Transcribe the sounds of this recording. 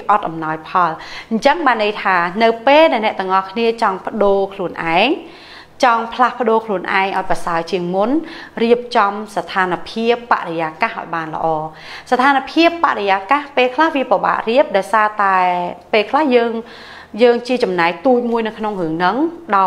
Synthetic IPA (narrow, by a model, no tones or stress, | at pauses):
ʔɑt̪̚ʔɑmnɑɔjpʰɑlɲ̩t͡ɕəŋɓaːnːəjt̪ʰaːnɨwpeːlɗaɛlnɛ̆əʔt̪ɨŋʔɑhkʰniət͡ɕɑŋpə̆ɗoːkʰluənʔa̰ɛŋ | t͡ɕɑŋpʰlahpə̆ɗoːkʰluənʔa̰ɛŋʔa̰ɔj̚prɑsaət͡ɕiəŋmunriəp̚t͡ɕɑmsat̪ʰaːnpʰiəpːa̰ʔɾejaːkahʔa̰ɔjɓaːnlə̰̆ʔɑː | sat̪ʰaːnapʰiəpːa̰ʔɾrejaːkahpeːlkʰlahʋiəpaɓa̰ːʔriəp̚ɗaɔjsaːt̪aɛpeːlkʰlahjəːŋ | jəːŋt͡ɕiət͡ɕɑmnaɛk̚t̪uːc̚muəjnɨwkʰnoŋrɨəŋnɨŋɗɑ